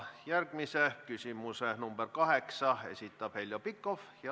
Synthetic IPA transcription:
jærɡ̥misekysʲimusenumb̥erkɑheksɑḛsʲit̪ːˑɑphelʲjopikːofjɑ

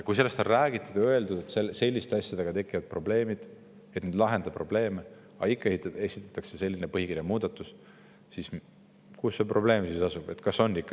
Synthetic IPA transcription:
jɑkujs̬e̞lːe̞st̪onræːɡ̥it̪ːˑud̪̥ø̞e̞ld̪ud̪̥et̪selse̞lʲːist̪e̞ɑsʲjɑd̪̥e̞ɡ̥ɑt̪e̞kːˑivɑd̪̥̚pro̞ble̞ːmid̪̥ | et̪ned̪lɑɦe̞nd̪ɑpro̞b̥le̞ːme | ɑ̰ikˑːɑet̪esit̪ːˑɑ̥t̪ːˑɑkse̞se̞lʲːinepɤɦikirjɑmuːd̪̥ɑt̪ːˑus | sis | kusːeprʔo̞ble̞ːmsisɑsub̥e̞t̪kɑso̞nːikːɑ̥

